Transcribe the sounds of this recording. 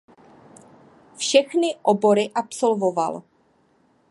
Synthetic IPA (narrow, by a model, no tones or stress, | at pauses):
fʃɛxnɪʔobo̞ɾɪʔapso̞lvo̞va̰l